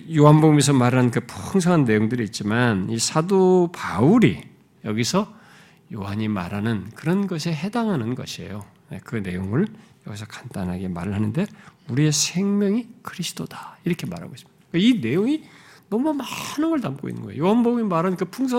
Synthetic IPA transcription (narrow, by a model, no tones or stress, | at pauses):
joɦanboɡumis̬ʰʌmaɾanɯnkɯpʰuŋsʰʌŋanːe̞joŋdɯɾiːt̚t͡ɕ͈imanisʰadopauɾi | jʌ̰ɡisʰʌ | joɦaɲima̰ɾanɯnkɯɾʌnɡʌs̬ʰeɦe̞daŋɦanɯnɡʌ̰ɕʰie̞̰jo | jekɯne̞joŋɯɭjʌ̰ɡis̬ʰʌkḁnt͈anɦaɡe̞maɾɯɭɦanɯnde̞uɾie̞sʰe̞ŋmjʌŋikʰɯɾisʰɯ̥tʰodaiɾʌkʰema̰ɾa̰ɡois͈ɯmid̥akeine̞joŋinʌmumanɯnɡʌɭnamk͈o̰ḭnːɯ̰ŋɡʌjo̰joɦanboɡumimaɾɦanɯnkɯpʰuŋs̬ʰʌ